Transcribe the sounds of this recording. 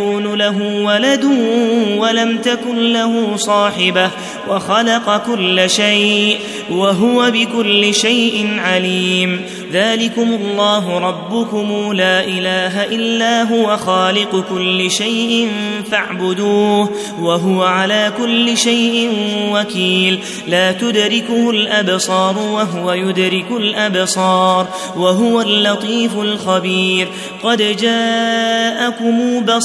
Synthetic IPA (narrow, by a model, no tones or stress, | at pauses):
uːnʊlaɦʊːwalad̪ʊwalamt̪akʊnlahuːsˤɑːħɪbah | waxɑlɑqɑkʊlːɪʃajʔ | waɦʊwabɪkʊlːɪʃajʔɪnʕaliːm | ðaːlɪkʊmʊlˤːɑːɦʊɾˤɑbːʊkʊmuːlaːʔɪlaːɦaʔɪlːaːɦʊwaxaːlɪqkʊlːɪʃajʔɪnfaʕbʊd̪uːh | waɦʊwaʕalaːkʊlːɪʃajʔɪnwakiːlː | aːt̪ʊd̪ɾɪkʊhʊlʔabsˤɑːɾˤʊwaɦʊwajʊd̪ɾɪkʊlʔabsˤɑːɾˤ | waɦʊwalːɑt̪ˤiːfʊlxabiːɾ | qɑd̪d͡ʒaːʔakʊmuːbɑ